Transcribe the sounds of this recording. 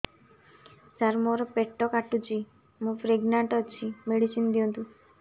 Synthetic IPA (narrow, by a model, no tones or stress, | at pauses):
t͡ʃaɾmɔɾɔpeʈːɔkaʈut͡ʃʰi | mũfɾeɡnaɳʈɔt͡ʃʰimeɽisind̪ijõnt̪ũ